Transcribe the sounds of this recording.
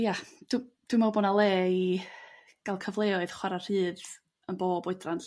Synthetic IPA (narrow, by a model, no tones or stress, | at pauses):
jad̥wd̥wɪmawbonalˠeːi | ɡ̥alˠkʰəvlˠeɔɨð̥χwaɾar̥ɨːð | ənboːbʊɨdran